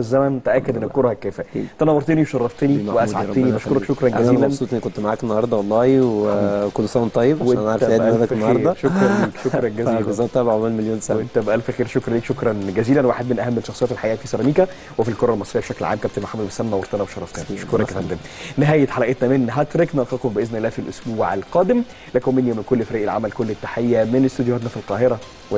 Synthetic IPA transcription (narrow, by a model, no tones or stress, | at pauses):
ezːæmænt̪eʔækːæd̪ʔenːækːoɾˤɑhækːæːfæt̪ænɑwɑɾˤt̪eniwʃɑrˤːɑft̪eniweʔæsʕaenibæʃkoɾˤɑkʃokɾˤɑnɡæiːlænsˤuːt̪ʔenːkont̪maʕaːkenːɑhɑɾˤd̪ˤɑwɑlˤːɑːhwkonsˤæwnt̪ˤːɑjːebwʔenʔænʕaʕɾet̪eʔææknːɑhɑeɾˤːɾdˤɑʃokɾˤɑliːkʃoɾˤɑnɡæziːezˤɑt̪ˤːæbʕʕmælmeljoːnsaent̪æbʔælfʔæxiːɾʃokɾˤɑnliːkʃokɾˤɑnɡæziːlænwaːħed̪menʔæɦæmːelʃɑxsˤejæt̪elħaʔiːʔfisɑɾˤɑmiːkæ | wefilkoɾˤɑlmɑsˤɾejːæbeʃækleʕa̰ːmkæb̚t̪enmoħamːæd̪besæmmːæwɑɾˤt̪ɑnæweʃɑɾˤːɑft̪ænæʃo̥koɾæfænd̪em | neɦæːjet̪ħalæʔet̪næmenɦæt̪ɾeknɑlqɑqombeʔeznʔlːæːfilʔosbuːʕalqæːd̪em | lekæwmenjæmenkolːfæɾiːʔelʕa̰mælkolːet̪ːaħejːæmenest̪ed̪johæːt̪næfilqɑːɦeɾˤɑ | w